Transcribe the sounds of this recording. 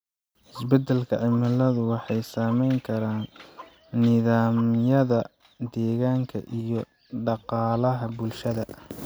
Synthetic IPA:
ʔɪsbɛd̪ɛlkʰɐʕɪmɐlɐðʊwɑħɑjsaːmɛjŋkʰɐɾaːnː | ɪðaːmjɐðɐ | d̪ɛːɣaːŋkʰɐ̰ʔijɞ | ɖɑqɑːlɐɦɐbʊlʃɐðɐ

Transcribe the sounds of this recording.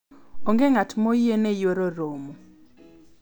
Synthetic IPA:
oŋɡeŋatmojenejoɾoɾomo

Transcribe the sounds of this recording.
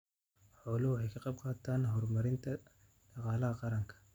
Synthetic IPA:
ħɔːlhwʊħɑjkʰɑqɑb̚qɑːt̪ʰaːnɦɔrmɐɾɪnt̪ʰɐ | ɖ̥ɑqɑːlɐɦɐqɑɾɐŋkʰɐ̥

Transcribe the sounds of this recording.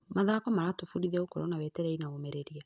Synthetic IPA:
maðakɔmaɾatofuɾiðɛokɔɾɔnawɛtɛɾɛinaomɛɾeɾia

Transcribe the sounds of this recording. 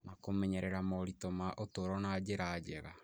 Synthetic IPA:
nakomɛɲɛɾɛɾamɔɾitomaʔotoɾɔnaːd͡ʒeɾaːd͡ʒɛɾa

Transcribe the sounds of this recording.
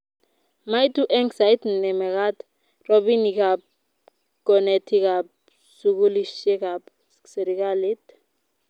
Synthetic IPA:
majtuʔɛŋsajtnɛmɛkat̪ | rɔbinikap̚ | kɔnɛtʰikap̚ | sukuliʃɛkap | seɾikalit̪

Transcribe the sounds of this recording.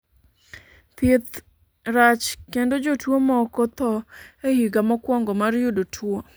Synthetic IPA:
t̪ɪt̪ | ɾat͡ʃkendod͡ʒotwomɔkɔt̪ɔehiɡamɔkwɔŋɡɔmarjodotʰwo

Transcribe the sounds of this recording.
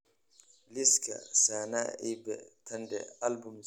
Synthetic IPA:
liskɐ̰saːna̰ːibɛ̰t̪ʰɐndɛ̰ɐlbum

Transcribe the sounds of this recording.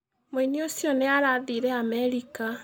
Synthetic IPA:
moiniosjɔneaɾaðiːɾɛamɛɾika

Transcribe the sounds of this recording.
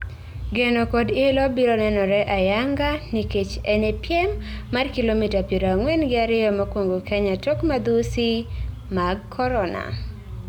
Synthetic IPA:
ɡenokodɪlɔbiɾɔnɛnɔɾɛʔajaŋɡaniket͡ʃɛnepjɛmːarkilomitapjeɾoaŋwɛnɡɪaɾɪjɔmakwoŋɡokɛɲatokmad̪usi | maɡkʰɔɾɔna̰

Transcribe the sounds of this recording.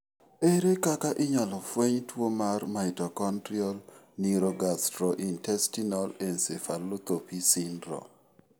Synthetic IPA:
eɾekakaʔɪɲalɔfweɲtwomarmaitɔkɔntɾiɔl | niɾoɡastɾɔʔintɛstinɔlɛnsefalot̪opisindɾɔ̰

